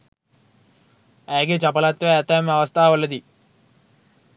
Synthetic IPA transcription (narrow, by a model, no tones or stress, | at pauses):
eːɡet͡ɕɐpɐlat̪ʋeɐt̪ːɐmɐʋɐst̪ʰaːʋɐlːɐd̪i